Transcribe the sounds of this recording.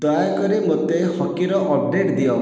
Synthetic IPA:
d̪ɔjakɔɾimot̪ehɔkiɾɔʔɔb̚ɖeʈd̪ijɔ

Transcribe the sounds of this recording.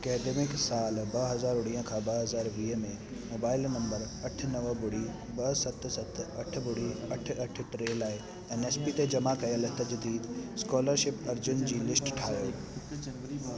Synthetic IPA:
ɐkɛːɖeːmɪksaːlbɐɦɐzaːɾʊɽiːə̃kʰãːbɐɦɐzaːɾʋiːɦəmẽ | moːbaːɪlnɐ̃mbəɾ | ɐʈ̆ʰnɐʋəbʊɽi | bɐsɐt̪sɐt̪ʰɐʈ̆ʰbʊɽ̤iɐʈ̆ʰɐʈʰʈɾeːlaːɪ | ɛneːspit̪ed͡ʑɐmakɐjəlt̪ɐd͡ʑd̪iːd̪skɔːləɾʃɪpɐɾd͡ʑʊnd͡ʑiːlɪsʈʈʰaːoː

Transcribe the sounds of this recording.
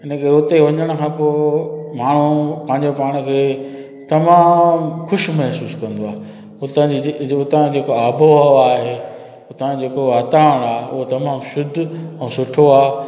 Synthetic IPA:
ɪnə̃kːɾʊːt̪eʋɐɲəɽ̃kʰãːpoːmaːɳ̤upɐ̃ɦɪ̃ɲd͡ʑepaːɽ̃kʰeː | t̪ɐmaːmxʊʃmɐɦsuːskɐ̃nd̪oaːɦe | ʊt̪ə̃d͡ʑiʊt̪ãd͡ʑeːkoaːbʱoaːɦeː | ʊt̪ʰãd͡ʑeːkoʋaːt̪aːəɽ̃aːeʊ̰ɦot̪ɐmaːmʃʊd̪ʱɛ̃ːsʊʈʰoaː

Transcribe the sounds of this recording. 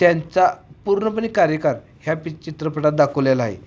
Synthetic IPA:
t̪jant͡sapuɾɳəpəɳ̃ikaɾjəkaɾ | hjapit͡ɕit̪ɾəpəʈat̪̚d̪akʰəʋljalaɦḛ

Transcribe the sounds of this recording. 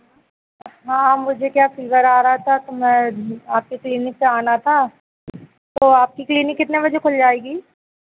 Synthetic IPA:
ɦãːmʊd͡ʒʱekjaːfɪlʋəɾaːɾɐɦat̪ʰat̪omɛ̃aːp̚kikliːnɪk̚peaːnat̪ʰaː | t̪oːaːp̚kikliːnɪkːɪt̪neʋɐd͡ʒʱekʰʊld͡ʒaːeːɡiː

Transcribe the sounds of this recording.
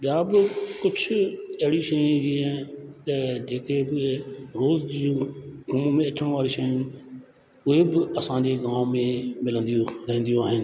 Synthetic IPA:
ɓɪjaːbɪkʊt͡ʃʰʊɐɦɪɽiʃɐjũd͡ʑĩːt̪ɐd͡ʑeːkebɪɾoːzd͡ʑiːũɡum̃mẽɐʈʰəɽ̃ʋaːɾiʃɐjũ | ʊɦebɪɐsãɲd͡ʑeɡaːmmẽmɪlə̃nd̪ijũɾɐɦə̃nd̪ijũaːɦɪnɪ̆

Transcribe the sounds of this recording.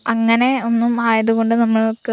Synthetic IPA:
ɐŋːɐne̞o̞nːumaːjɐðuɣo̞ɳɖɨnɐmːɐɭokːɨ

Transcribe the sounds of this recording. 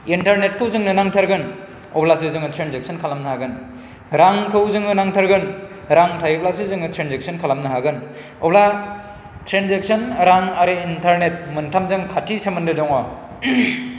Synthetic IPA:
intaɾnet̚kʰɯwzɯŋnɯnaŋtʰaɾɡɯn | ɔblas̬ɯzɯŋɯtʰɾenzek̚sʰɔnkʰalamnɯhaɡɯn | ɾaŋkʰɯwzɯŋnɯnaŋtʰaɾɡɯn | ɾaŋtʰajɯblas̬ɯzɯŋɯtʰɾenzek̚sʰɔnkʰalamnɯɦaɡɯn | ɔ̰bla | tʰɾenzek̚sɔnɾaŋaɾeintʰaɾnet̚mɯntʰamzɯŋkʰatʰːisemɯndɯdɔŋɔ

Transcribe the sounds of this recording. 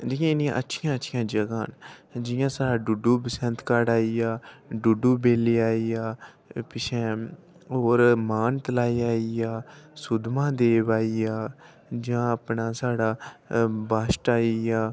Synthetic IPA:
d͡ʒijãːɪnĩːʔətːʃʰɪjãːətːʃʰɪjãːd͡ʒəɡaːnd͡ʒɪjãːsaːɖaːɖuɖuːbəsənt̪kaːɖaːiːaːɖuɖuːbeːliːaːiːjaː | pɪt͡ʃʰɛ̃ː | ɦoːɾmaːnt̪əlaːiːaːiaːsʊd̪mãːd̪eːʋaːiːaː | d͡ʒãːapnaːsaːɖaː | baːsʈaːiaː

